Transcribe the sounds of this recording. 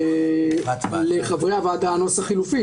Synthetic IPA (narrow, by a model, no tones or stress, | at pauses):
leχavʁeavad̪ano̞saχilufi